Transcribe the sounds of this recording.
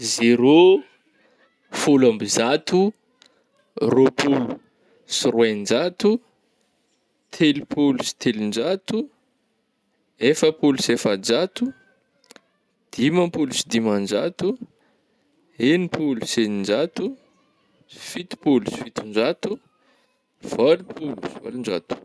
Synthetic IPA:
zeɾo | fulambizat̪u | ropʰulu | sirwennd͡ʒat̪u | t̪ʰelipʰulusi̥t̪ʰelind͡ʒat̪u | efəpulu̥sefad͡ʒat̪u | d̪̥imampulusid̪imand͡ʒat̪u | enipʰulusenind͡ʒat̪u | si̥fit̪i̥pulusi̥fit̪und͡ʒat̪u | v̥alipʰulusiva̰lind͡ʒa̰t̪u̥

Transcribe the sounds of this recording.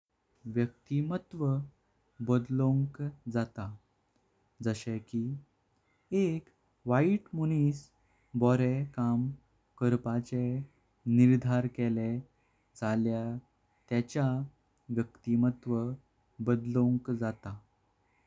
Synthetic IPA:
ʋjək̚t̪imət̪ʋə | bəd̪lõŋkd͡zat̪a | d͡zəɕɛ̃ki | ek | ʋaiʈmuniːs | bɔɾekam | kəɾpat͡ɕe | niɾd̪ʱaɾkɛle | d͡zalja | t̪jat͡ɕja | ʋjəkt̪imət̪ʋə | bəd̪lõŋkd͡zat̪a

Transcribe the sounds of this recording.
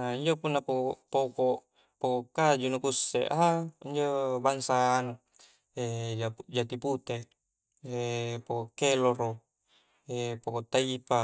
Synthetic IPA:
aiɲd͡ʒopunːapopokoʔ | pokokːad͡ʒunukusːḛʔaaiɲd͡ʒobaŋsaːnu | eaud͡ʒat̪iput̪e | epokokːeloɾo | epokoʔt̪aipa

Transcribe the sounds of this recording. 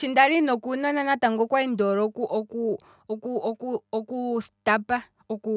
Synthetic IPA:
t͡ʃindaɾinɔkunananataŋɡɔkwaindɔɾɔkuʔɔku | kuɔkuɔkustapa | ɔku

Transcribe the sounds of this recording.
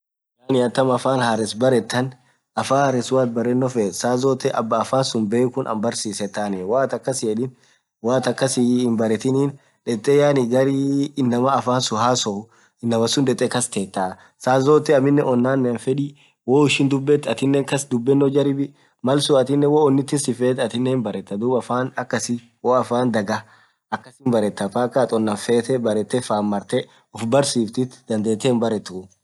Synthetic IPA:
jaːnɪɐt̪ːɐmɐfaːnhaɾɛsbɐɾɛt̪ːɐn | ɐfaːhɾɛsʊwaːt̪̚bɐɾɛnːɔfɛsaːzoːt̪ːɛʔɐ̰bːɐːfaːnsʊnbeːkʊnʔɐ̰mbɐɾsiːsɛt̪ːaːnɛwaːt̪ɐkːɐsɪɛᶑɪn | waːt̪ɐkːɐsɪɪmbɐɾɛt̪ɪniːn | ᶑɛt̪ʼːɛjaːnɪɡɐɾiɪnːɐmɐːfaːnsʊɦaːsɔ | ɪnːɐmɐsʊnᶑ̪ɛt̪ʼɛkɐst̪eːt̪ːaː | saːzoːt̪ːɛɐmɪnːɛʔɔnːaːnːɛnfɛᶑi | woːɪʃɪnd̪ʊbːɛt̪ːɐt̪ɪnːɛŋkɐsd̪ʊbːɛnːɔd͡ʒɐɾɪbɪ | mɐlsʊɐt̪ɪnːɛwoːɔnːɪt̪ːɪnsɪfeːt̪ɐt̪ɪnːɛmbɐɾɛt̪ːɐd̪uːbɐfaːnɐkːɐsɪ | woːɐfaːnd̪ɐɡɐ | ɐkːɐsɪnbɐɾɛt̪ːɐfakːat̪ʼɔnːɐfeːt̪ɛbɐɾɛt̪ːɛfaːmːɐɾt̪ɛ | ʊfbɐɾsiːft̪ɪt̪ːd̪ɐnd̪eːt̪ːɛnbɐɾɛt̪ːʊ

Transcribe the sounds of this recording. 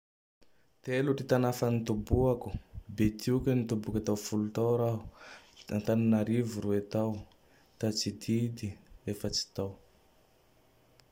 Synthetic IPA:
t̪eluʈ͡ʂit̪anafanit̪ubuaku̥bet̪iukʲənit̪ubukʲat̪awfulut̪awɾaɦuant̪aninaɾivuɾuet̪aw | t̪at͡sid̪id̪iefət͡si̥t̪aw

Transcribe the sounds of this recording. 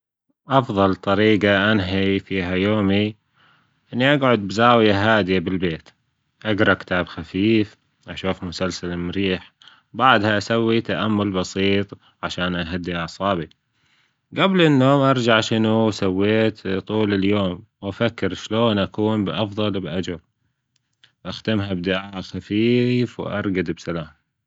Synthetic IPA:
ʔɑfðˤɑlt̪ˤɑɾiːɡaʔanɦifiːɦajoːmi | ʔɪnːiʔaɡʕʊd̪̚bzaːwjaɦaːd̪ɪjabɪlbeːt̪ | ʔaɡɾˤɑkɪ̥t̪ʰaːbxafiːf | ʔaʃuːfmʊsalsalmʊɾiːħ | baʕd̪haʔasawːit̪aʔamːʊlbɑsiːt̪ˤ | ʕaʃaːnʔaɦad̪ːiɑʕsˤɑːbi | ɡablɪnːoːmʔɑɾˤd͡ʒaʕʃɪnusawːeːt̪t̪ˤuːlɪljoːmwʔafakːɪɾʃloːnʔakuːnbʔɑfðˤɑlbʔad͡ʒal | ʔaxd̪ɪmɦabd̪ɪʕaːxafiːfw̰ʔɑ̰ɾˤɡad̪bsalaːm

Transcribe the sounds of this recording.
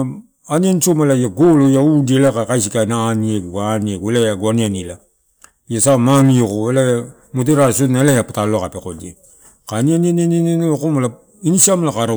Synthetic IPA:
aniansomalajaɡolojaudielakakajs̬ikajnaːniekɡaniekelajaɡoanianila | ijasamaniekoelaa | moteɾasonːaelajapataloakapekode | kanianiananenenookomala | inisiamlakaɾa

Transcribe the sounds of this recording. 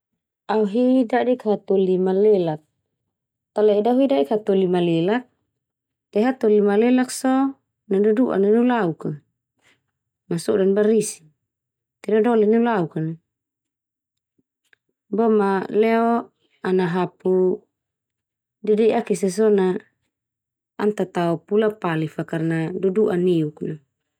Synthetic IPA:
auɦidadikat̪olimalelak̚ | t̪alɛidauidadikhat̪olimalelak̚ | t̪ɛɦat̪olimalelaksɔ | naduduʔa̰ninilauka | masɔdanbaɾisi̥ | t̪ɛdɔdɔliniulaukana | bɔmalɛɔ | anaɦapu | dɛdɛʔakis̬es̬ɔna | nt̪at̪aupulapalifakarnadoduʔaneukna

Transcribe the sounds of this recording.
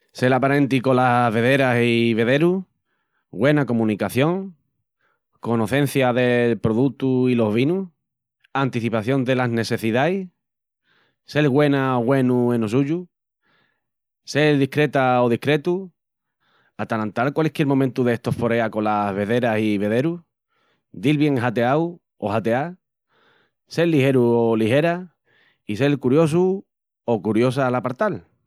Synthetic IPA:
se̞lapaɾe̞nt̪̬iko̞laβe̞ðe̞ɾasiβe̞ðe̞ɾu | ɣwe̞nako̞mũnikaθjo̞ŋ | ko̞no̞θe̞n̟θjaðe̞lpɾo̞ðut̪uilo̞ɦβ̞inu | ant̪iθipaθjo̞nd̪e̞lazne̞θe̞θiðaj | se̞lɣwe̞naoɣwe̞nuẽ̞nosuʝu | se̞lðihkɾe̞t̪aoð̞ihkɾe̞t̪u | at̪alant̪alkwalehkjeɾmomẽnt̪uðeest̪o̞hfo̞ɾe̞ako̞lazβ̞e̞ðe̞ɾasiβ̞e̞ðe̞ɾu | d̪ilβje̞ŋɦat̪e̞aw | o̞hat̪e̞a | se̞lːihe̞ɾuoliɦe̞ɾa | ise̞lkuɾjo̞s̬u | o̞kuɾjo̞s̬alapaɾt̪al

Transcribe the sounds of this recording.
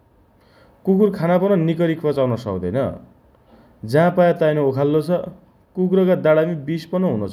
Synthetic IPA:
kukurkʰanapʌnʌnikʌɾikʰpʌt͡sawnʌsʌ̰kd̪ʌ̰jnʌ̰ | d͡zãpajat̪ajnookʰalːot͡sʰʌ | kuk̬uɾʌkad̪aɽamibispʌnʌɦunot͡sʰ

